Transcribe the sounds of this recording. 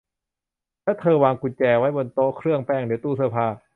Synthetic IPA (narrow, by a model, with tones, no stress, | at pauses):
lɛ˦˥˩t̪ʰɤː˧waː˧ŋku˧˩nt͡ɕɛː˧wa˦˥jbo˧nt̪oː˦˥kʰɾɯ˥˩əŋpɛː˧˥˩ŋdɯ˨˦ət̪uː˧˩sʰɯ˧˩pʰaː˧˩